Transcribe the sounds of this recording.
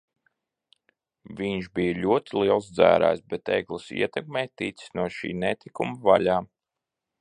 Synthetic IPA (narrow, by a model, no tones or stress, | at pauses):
vʲiɲʃbijəlʲuɔt̪ʲilˠiɛlˠsd̪zæ̰ːɾæ̰ːjsbɛt̪ɛ̰jɡlˠisḭɛt̪ɛk̚mɛːjt̪it̪si̥snuɔʃḭːnɛt̪ikumɐvaʎaː